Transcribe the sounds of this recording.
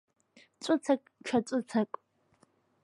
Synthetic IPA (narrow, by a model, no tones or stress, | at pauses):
t͡sʷʼɨt͡sʰakʼt͡ʃʰat͡sʷʼʊt͡sʰakʼ